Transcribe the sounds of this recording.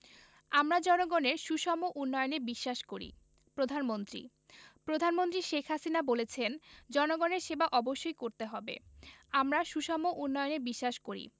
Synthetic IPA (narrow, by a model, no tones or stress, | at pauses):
amɾad͡ʑɔnoɡoneɾʃuʃɔmoʔunːɔjonebiʃːaʃkoɾḭ | pɾod̪ʱanmont̪ɾḭ | pɾod̪ʱanmont̪ɾiʃekʰɦasinabolet͡ɕʰend͡ʑɔnoɡoneɾʃebaʔɔboʃːojkoɾt̪eɦɔbḛamɾaʃuʃɔmoʔunːɔjonebiʃːaʃkoɾḭ